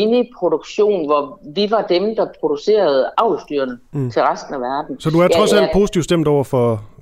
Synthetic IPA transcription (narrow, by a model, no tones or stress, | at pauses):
inipʰʁod̥oɡ̥ɕo̝̰ːnʋɒʋiʋɑ̈d̥emd̥ɑ̈pʰʁo̝d̥use̝̰ːɐð̞̩ˠɑ̈ʊsd̥y̰ːɐnət͡sʰe̝lʁasd̥n̩æʋæɐd̥n̩sɒ̽d̥uæɐʁɒ̽sæl̰d̥̚pʰo̝ːsi̥t͡sʰiʊ̰sd̥em̰d̥ɒʊ̰ɐfɒ̽